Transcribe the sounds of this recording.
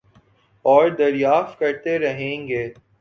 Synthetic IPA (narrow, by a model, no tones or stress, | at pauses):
ɔːɾd̪ɐɾjaːft̪̚kɐɾt̪eɾɐɦẽːŋɡeː